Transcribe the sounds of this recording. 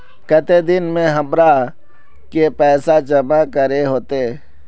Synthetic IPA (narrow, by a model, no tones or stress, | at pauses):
kət̪ed̪ɪnmẽɦəmɾa | kepɛːsad͡ʒəmakəɾeɦoːt̪e